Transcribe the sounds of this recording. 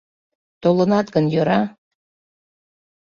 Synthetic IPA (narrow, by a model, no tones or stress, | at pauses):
t̪olənɑt̪ɡənjøɾɑ